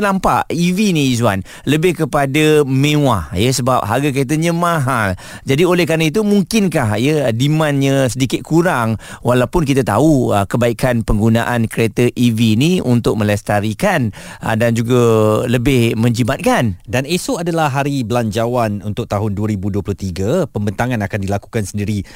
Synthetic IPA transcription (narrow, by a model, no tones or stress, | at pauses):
nampaʔiviniːzwa̰n | ləbɪhkəpadamẽwajəsəbap̚ɦaɡak̬əɾet̪̬əɲə̃mãɦal | d͡ʒadiolɛhkaɾnəit̪̬umuŋkɪnkaɦjədimãnɲə̃sədikɪt̪̚kʰuɾaŋwalawpʊnk̬it̪at̪auəkəbaikanpəŋɡuna̰ʔankəɾet̪əʔiviːniunt̪ʊk̚ʔ̚mə̃lɛst̪aɾikan | ə̰dand͡ʒuɡaləbɪhmə̃ɲd͡ʒimat̪̚kandanesoadalahɦaɾibəlaɲd͡ʒawanunt̪ʊk̚t̪aɦʊnduəɾibuduəplʊht̪iɡapəmbənt̪aŋanakandilaku̥kansəndiɾi